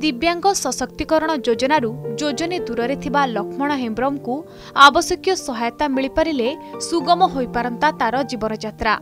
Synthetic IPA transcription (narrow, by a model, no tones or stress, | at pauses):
d̪ibjaŋɡɔsɔsɔk̚t̪ikɔɾɔɽ̃ɔd͡ʒod͡ʒɔnaɾud͡ʒod͡ʒɔned̪uɾɔɾet̪ʰibalɔkʰmɔɽ̃ɔɦembɾɔmku | abɔsjɔkjɔsɔɦajɔt̪amiɭipaɾilesuɡɔmɔɦojpaɾɔnt̪at̪aɾɔd͡ʒibɔnɔd͡ʒat̪ɾa